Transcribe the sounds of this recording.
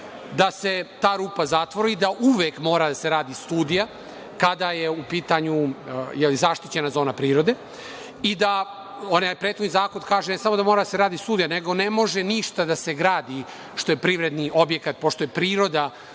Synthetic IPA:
d̪ase̞t̪aːɾuːpazat̪ʋo̞ɾid̪aʔuʋekmo̞ːɾad̪ase̞ɾaːd̪ist̪uːd̪ija | kad̪aje̞upiːt̪aɲujɛlizaʃt̪it͡ɕe̞nazo̞ːnapɾiːɾo̞d̪e̞ | id̪a | onapɾet̪xod̪nizaːkod̪kaːʒenesamo̞d̪amoɾad̪aseɾaːd̪ist̪uːd̪ijaneɡo̞ne̞mo̞ʒeniʃt̪ad̪ase̞ɡɾaːd̪i | ʃt̪o̞jepɾiʋɾe̞d̪niʔo̞bje̞kat̪̚poʃt̪o̞jepɾiːɾo̞d̪a

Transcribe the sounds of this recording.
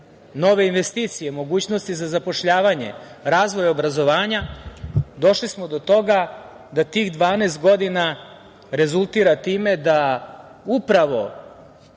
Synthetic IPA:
no̞ʋe̞inʋe̞st̪iːt̪sije̞mo̞ɡuːt͡ɕno̞st̪izazapo̞ʃʎaːʋaɲe̞̰ɾaːzʋo̞jobɾazo̞ʋaːɲa | d̪o̞ʃlismod̪o̞t̪o̞ɡa | d̪at̪iːɣd̪ʋaːneːst̪ɡo̞d̪ina | ɾe̞zulˠt̪iːɾat̪iːme̞d̪a | upɾaʋo̞

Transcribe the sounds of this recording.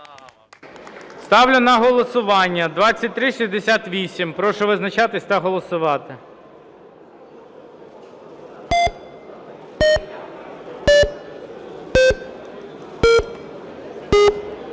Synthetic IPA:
st̪ɑwlʲʊnɐɦɔlˠɔsʊʋɑnʲːɐd̪ʋɑt͡sʲːɐtʲt̪ɾɪʃizʲd̪esʲat̪ʋʲisʲimpɾɔʃɔʋɪznɐt͡ʃɑt̪ɪsʲt̪ɐɦɔlˠɔsʊʋɑt̪ɪ

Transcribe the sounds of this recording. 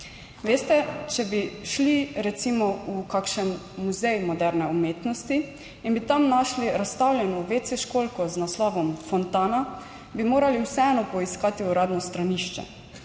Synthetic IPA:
ʋeːst̪ɛt͡ʃɛbiʃliɾɛt̪simɔukakʃɛnː | uzɛjmɔd̪ɛɾnɛumeːt̪nɔst̪i | inbit̪amnaʃliɾast̪awlʲjɛnɔʋeːt̪sɛʃkolkɔznaslɔːʋɔmfɔnt̪aːna | bimoːɾaliwsɛɛːnɔpɔiskaːt̪iuɾaːd̪nɔst̪ɾaniʃt͡ʃɛ̰

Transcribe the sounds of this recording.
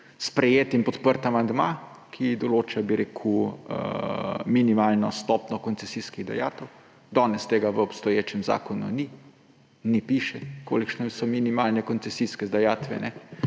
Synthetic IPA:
spɾɛjeːt̪inpɔt̪pəɾt̪amand̪ma | kʰid̪ɔloːt͡ʃabiɾeːkʰuə̰minimalnɔst̪ɔːpnɔkɔnt̪sɛsiskiɣd̪a̰ja̰ːt̪ɛw | d̪ɔːnɛst̪eːɡaʋəɔpst̪ɔjeːt͡ʃɛmza̰ːkɔnṵni | nɛpiʃɛko̰ːlikʃnɛsɔminimaːlnɛkɔnt̪sɛsiskɛd̪ajaːt̪ʋɛ̰nɛ

